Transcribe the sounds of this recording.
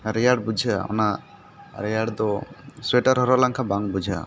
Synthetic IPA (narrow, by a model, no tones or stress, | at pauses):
ɾɛjaɽbud͡ʒʱaa̰ɔ̰na | ɾɛjaɽd̪ɔswɛʈaɾɦɔɾɔlaŋkʰabaŋbud͡ʒʱa̰